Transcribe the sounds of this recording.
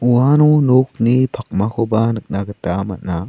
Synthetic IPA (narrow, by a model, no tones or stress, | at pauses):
uanonok̚nipʰak̚makʰobanɯk̚naɡətama̰t̚na